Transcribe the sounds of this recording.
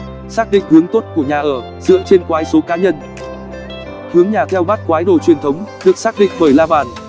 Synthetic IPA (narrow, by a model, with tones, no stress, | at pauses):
saː˦˥k̚ɗḭ˧˨ŋ̟hɨ˨˦əŋt̪o˦˥t̚ku˧˩əɲaː˨˩ʔəː˧˩ | zɨ̰˧˥ət͡ɕe˧nkwaː˨˦jso˨˦kaː˨˦ɲə˧n | hɨ˨˦əŋɲaː˨˩t̪ʰɛ˧wɓaː˦˥t̚kwaː˨˦jɗo̰˧˨t͡ɕwi˨˩ənt̪ʰə˨˦wŋ͡mɗɨ˨˩ək̚saː˦˥k̚ɗḭ˧˨ŋ̟fəː˧˩jlaː˧ɓaː˧˩n